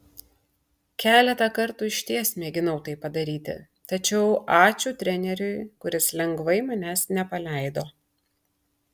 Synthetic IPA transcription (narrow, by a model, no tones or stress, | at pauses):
kʲæːlʲɛt̪ɐkɐɾt̪uːɪʃʲt̪ʲiɛsʲmʲeːɡʲɪnɐʊt̪ɐɪpɐd̪ɐɾʲiːt̪ʲɪ̰ | t̪ɐt͡ʃʲɛʊɑːt͡ʃʲuːt̪ʲɾʲɛnʲɛɾʲʊɪkʊɾʲɪslʲɛŋɡʋɐɪmɐnʲæːsnʲɛpɐlʲɛˑɪd̪oː